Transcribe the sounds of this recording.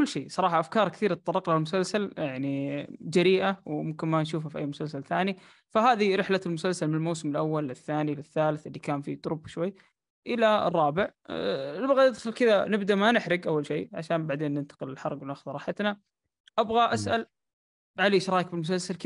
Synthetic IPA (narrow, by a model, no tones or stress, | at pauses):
kʊlːʃeːsˤɑɾˤɑːħɑʔafkɑːɾˤkθiːɾt̪̚t̪ˤɑrˤːɑqlahalmʊsalsaljaʕnid͡ʒaɾiːʔawmʊmkɪnmanʃuːfhafʔajːmʊsalsalθaːni | faɦaːðiɾɪħlalmʊsalsalmɪnlmawsɪmɪlʔawːalɪθːaːnilɪθːaːlɪθɪlːikaːnfḭt̪ˤʊɾʊbʃwajː | ʔɪla̰rˤːɑːbɪʕ | ɪbɣanɪd̪xalkɪða̰nɪbd̪aʔmanɪħɾɪɡʔawːalʃeːʕaʃaːnbaʕd̪eːnːɪnt̪ḁqɪlɪlħɑɾˤɡwnaxʊðɾˤɑːħat̪na | ʔabɣaʔasʔal | ʕaleːʃɑɾˤɑːjk̚bɪlmʊs̬alsalkɪ